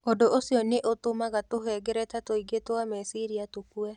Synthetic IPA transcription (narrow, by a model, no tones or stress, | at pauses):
odoʔosiɔneʔotomaɣatoɦɛɡɛɾɛtatoiɡetoamɛsiɾiatokuɛ